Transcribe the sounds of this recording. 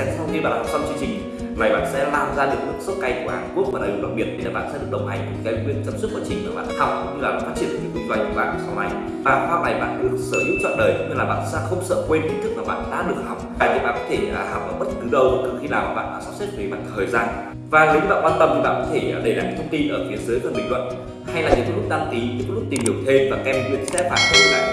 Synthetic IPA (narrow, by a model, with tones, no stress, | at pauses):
ŋ͡mt̪i˧ɓa̰ː˧˨nhɔ˨˩sa˧nt͡ɕɨ˧əɲt͡ɕï˨˩ŋ̟ | na˨˩jɓa̰ː˧˨nsɛ̰˧˥laː˧mzaː˧lɨ˨˩ək̚lɨ˦˥k̚so˦˥t̚ka˧jku˧˩əhaː˨˩nku˦˥ək̚vaː˨˩ɗaː˨˩˨va˨˩t̚i˨˩ət̚ɗi˧naː˨˩ɓa̰ː˧˨nsɛ̰˧˥ɗɨ˨˩ək̚ɗə˨˩wŋ͡m̚ɦa˨˩jŋ̟kka˧ŋwḭ˧˨ənt͡ɕə˧msu˦˥aː˧˩t͡ɕï˨˩ŋ̟maː˨˩ɓa̰ː˧˨n˧ha˨˩wk͡p̚kʊ̰˧˥ŋ͡mɲɨ˧laː˨˩ɓa̰ː˧˨˩faː˦˥t͡ɕi˧˩ənʔə̰ː˨˩ɲḭ˨˦wi˧zwa˧jku˧˩ɓa̰ː˧˨n˨˩sa˨˦wna˨˩j | ɓaː˧˨nhwaː˧˩na˨˩jɓa̰ː˧˨nɗɨ˦˥ək̚səː˧˩lu˨˦˥t̚zɔ̰ː˧˨ɗəː˨˩jkŋ͡mɲɨ˧˩laː˨˩ɓa̰ː˧˨n˨saː˦˥xə˧wŋ͡msə̰ː˧˨kwe˧nt̪ʰi˧˦t̪ɨ˦˥k̚maː˨˩ɓa̰ː˧˨nɗa̰ː˧˥ɗɨ˨˩ək̚hɦa˨˩wk͡p̚aː˨˩t̪i˨˩ɓa̰ː˧˨nkɔ˨˦t̪ʰe˧˩˨ha˨˩wk͡p̚aː˨˩ɓə˦˥t̚kɨ˨˦ɗə˧wt̪xi˧laː˨˩ma̰ː˨˩ɓa̰ː˧˨nɗa̰ː˧˩saː˦˥pse˦˥t̚ve˨˦jma̰ː˧˨˩t̪ʰəː˨˩jzaː˧n | vaː˨˩ni˨˦wɲɨ˧ɓa̰ː˧˨kwaː˧nt̪ə˧mt̪ʰi˨˩ɓa̰ː˧˨kɔ˨˦e˧˩˨ɗe˧˩la˨˩˦ŋ˧˥t̪ʰə˧ŋ͡mt̪i˧nʔəː˧˩fʰi˨˦əzɨ˨˦jkɔ˧˩ɓḭ̈˧˨ŋlwə̰˧˨n | ha˧jlaː˨˩ɲ˨˩kːlʊ˥k̚ɗ̪a˧ŋki˨˦i˨˦kːlʊ˥t̪i˨˩mhi˨˩əwt̪ʰe˧mvaː˨˩kɛ˧m˧˩wḭ˧˨ənsɛ̰˧˦˥ɓaː˧˩t̪ʰo˧˩jlaː˨˩